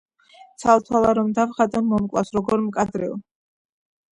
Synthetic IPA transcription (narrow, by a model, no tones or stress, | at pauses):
t̪sʰalt̪ʰwalˠaɾɔmd̪avχat̪ʼɔnmɔmkʼlˠafsɾɔɡɔɾmkʼad̪ɾɛɔ